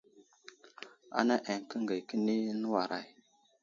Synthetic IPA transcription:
a̰˨˦na˦ʔe˨ŋ˨kə˦ŋɡə˨jkə˦ni˦nə˦wa˨ɾʔa˨j

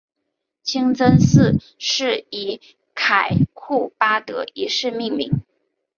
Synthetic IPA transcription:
t͡ɕʰi˥ŋt͡sə˥nsɹ̩˥˧ | ʂɻ̩˥˩i˧˥ | kʰa˨˩ɪkʰu˥˩pa˥t̪ɤ̰˧˥i˧˥ʂɻ̩˥˧mi˥˧ŋmḭ˧˥ŋ

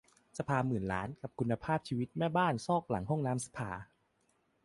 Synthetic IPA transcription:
sa˧pʰaː˧mɯː˨˩nla̰ː˦˥nka˨˩p̚kʰu˧nːa˧pʰaː˥˩p̚t͡ɕʰiː˧wi˦˥t̪̚mɛː˥˩baː˥˩nsɔː˥˩k̚la̰˨˩˦ŋɦɔ˥˩ŋnaː˦˥msḁ˧pʰaː˧

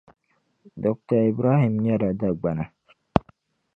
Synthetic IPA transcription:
dɔ˨k̚ta˨i˨bɾa˦hi˨mɲa˦ɾa˨da˦ɡ͡ba˨na˨

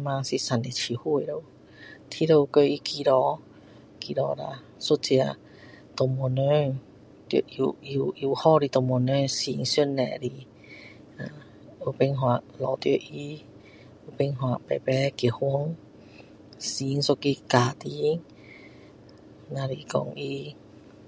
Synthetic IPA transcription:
mã˧si˧sa˨ne˨t͡ɕʰi˨hu˧˨e˨ɾo˧w | t̪ʰi˧˦ɾo˧ko˧i˧ki˧ɾɔ˧˩ | ki˧ɾɔ˧ɾa̰˧˨ | su˦t͡si˧a˧ | t̪o˨mo˧nø˧˦˨ŋ | t̪ʔju˧i˧i˧˨hɔ˥˧˨ɾi˧t̪ɔ˨mu˨nø˧si˧˦ŋsju˥˧˥nːɛ˧˨ɾi˧ | a˧˨ | u˧pe˧ŋɦwa˧ | lɔ˨˧˨t̪jə̰˧˦ʔi˧˦ | u˧˦pe˧ŋɦwa˧˨pɛ̰˧˨pɛ˧khu˧˦əŋ | si˧˦ŋso˧ki˧ka˨t̪i˧˦ŋ | nã˧ɾi˧kɔ̰˧ŋʔi˧˦

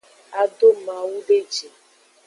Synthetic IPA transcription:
a˦do˦ma˨wu˦ɖe˦d͡ʒi˨

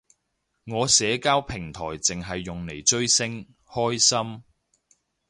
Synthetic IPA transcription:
ŋɔː˨˧sɛː˨˥kaː˥wpʰɪ˨˩ŋt̪ʰɔː˨˩jt͡sɪ˨ŋɦɐ˨jːʊ˨ŋle˨˩jt͡ʃɵ˥ɥsɪ˥ŋ | hɔː˥jsɐ˥m

